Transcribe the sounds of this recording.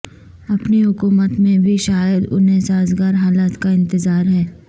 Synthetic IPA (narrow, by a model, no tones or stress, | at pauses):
ɐpniɦʊkuːmət̪mẽbʱiʃaːjəd̪ʊ̰nɦesaːzɡaːɾɦaːlaːt̪kaɪ̃nt̪ɪzaːɾɦɛː